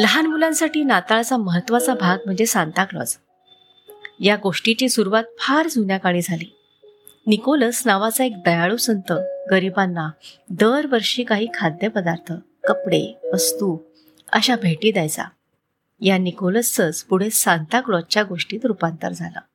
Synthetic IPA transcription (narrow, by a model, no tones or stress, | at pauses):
ləɦanmulãnsaʈiːnat̪aɭt͡saməɦət̪ːʋat͡sabʱaɡ̚m̤əɳd͡zesant̪akɭɔ̰t͡s | jaɡoʂʈit͡ɕiːsuɾuʋat̪̚fʰaɾd͡zʱunjakaɽ̃iːd͡zʱaliː | nikoləsnaʋat͡saek̚d̪əjaɭuːsənt̪əɡəɾibanːad̪əɾʋəɾʂiːkaɦiːkʰad̪ːjəpəd̪aɾt̪ʰə | kəpɽḛəst̪u | ə̰ɕabʱeʈiːd̪ajt͡sa̰ | janikoləst͡sət͡spuɽ̤esant̪akɭɔt͡ɕjaɡoʂʈiːt̪ɾupant̪ə̰ɾd͡zʱalə̰ː